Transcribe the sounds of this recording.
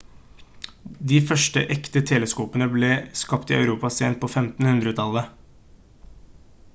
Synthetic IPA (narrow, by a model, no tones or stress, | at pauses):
d̪iːfœʂʈə̰ʔɛkt̪ət̪ʰɛːləskuːpənəbleːskɑpt̪ɪɑʉɾuːpɑseːnt̪̚pʰoːfɛmt̪n̩hʉnd̪ɾət̪ʰɑlə